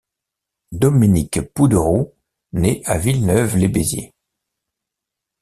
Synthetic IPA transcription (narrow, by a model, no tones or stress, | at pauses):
d̪ɔminikpud̪ʁo | neʔavilnœvlebezjḛ